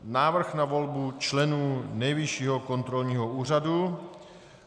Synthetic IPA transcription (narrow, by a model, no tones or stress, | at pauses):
naːvr̩xnavo̞lbut͡ʃlɛnuːnɛjvɪʃiːɦoko̞nt̪ɾolɲiːɦouːr̝adu